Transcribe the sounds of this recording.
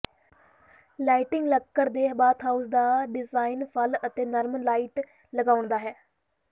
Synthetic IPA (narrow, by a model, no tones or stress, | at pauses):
laːiʈɪŋɡləkːəɾd̪eːbaːt̪ʰɦaːusd̪aːɖɪzaːinpʰələt̪eːnaːɾmənlaːiːʈ | ləɡaːʊɳd̪aːɦɛː